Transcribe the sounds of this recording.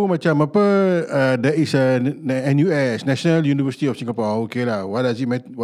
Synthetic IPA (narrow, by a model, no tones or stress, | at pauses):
umãt͡ʃamapəədɛtisəɛ̃njuɛsnɛ̃ʃənaljunivəsit̪iɔfsĩŋɡapɔokelahwɔt̚dasit̚mɛ̃